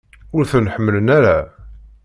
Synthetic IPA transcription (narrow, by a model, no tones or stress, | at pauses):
ʊɾθənħəmːələnæɾa